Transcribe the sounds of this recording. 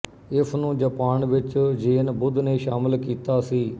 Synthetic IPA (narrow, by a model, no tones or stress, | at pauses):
ɪsʰnũːd͡ʒəpaːnʋɪt͡ʃd͡ʒeːnbʊd̪neːʃaːmɪlkiːt̪aːsiː